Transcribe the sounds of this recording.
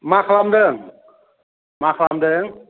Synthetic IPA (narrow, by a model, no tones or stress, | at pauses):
makʰlamdəŋ | makʰlamdəŋ